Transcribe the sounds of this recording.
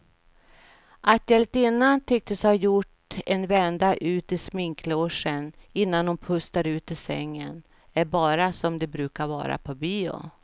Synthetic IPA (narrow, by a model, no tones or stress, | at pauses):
ʔat̪jɛlt̪ɪnːant̪ʰʏk̚t̪əshajʊʈ | ɛnvɛnd̪aʔʉ̟ːt̪ɪsmɪŋkʰloːʂənɪnːanhʊnpʰɵst̪aɾʉ̟ːt̪ɪsɛ̰ŋːən | æɾbɑːɾasɔmd̪ɛbɾʉ̟ːkaɾvɑ̰ːɾa̰pʰɔbyːʊ̰